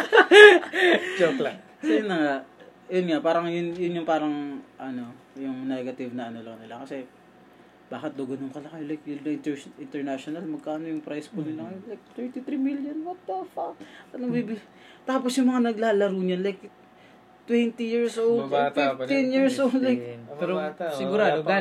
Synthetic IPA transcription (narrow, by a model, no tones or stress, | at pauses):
d͡ʒopla | sɐjʊnːɐŋa | jʊnŋapaːɾɐŋjʊnjʊnjʊŋpaːɾɐŋʔɐno̞jʊŋnɛɡɐt̪ɪvnɐʔɐno̞lɐŋnɪlakɐsɛ | b̥aːkɪt̪̚d̪oɡɐnoŋkɐlɐkɐjlajkjʊnɐʔɪnt̪ɪnt̪ɛɹnaʃonɐlmɐɡ̚kaːɐno̞jʊŋpɾajspunɪlaŋɐjonlajk̚t̪ɛɹt̪it̪ɾimiljonwɐt̪̚ːɐfaɐnɐŋbibɪ | t̪aːposjʊŋmɐŋanɐɡlaːlɐɾuːɲonlajk | t̪wɛnt̪ijiɹsʔofft̪injiɹsʔolajkpɛɾosɪɡʊɾaːd̪o